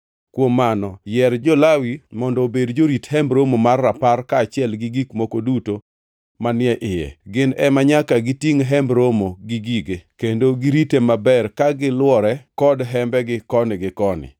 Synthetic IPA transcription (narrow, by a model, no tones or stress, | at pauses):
kwomːanɔjɛɾd͡ʒɔlawimɔndɔːbedd͡ʒoɾithɛmbɾomomarːaparkaːt͡ʃɪɛlɡiɡikmokoduto | manɪɛʔɪjɛ̰ɡɪnɛmaɲakaɡɪtiŋɦɛmbɾomoɡiɡiɡekendoɡiɾitemabɛrkaɡɪlwɔɾɛkɔdɦɛmbɛɡɪkɔnɪɡɪkɔnɪ̰